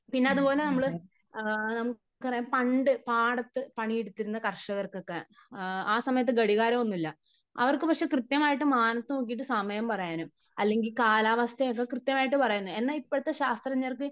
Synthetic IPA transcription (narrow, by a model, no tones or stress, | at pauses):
pinːeɐðupo̞ːle̞nɐmːɐɭɨ | nɐmu | kːɨpɐrɐjampɐɳɖɨpaːɽɐt̪ːɨpɐɳieɽut̪ːiɾunːɐkɐrʂɐɣɐrkokːe | aːsɐmɐjɐt̪̬ːɨɡɐɽiɣaːɾɐmo̞nːilːɐ | ɐ̰ʋɐrkɨpɐkʂe̞krɨt̪jɐmaːjiʈ̬ːɨmaːnɐt̪ːɨnoːk̬ːijiʈ̬ːɨsɐmɐjɐmpɐrɐjaːnum | ɐlːe̞ŋɡilkaːlaːʋɐst̪ʰejok̬ːekrɨt̪jɐmaːjiʈːɨpɐrɐjunːue̞nːaipːoɽɐt̪ːeɕaːst̪rɐɲːɐɐrkɨ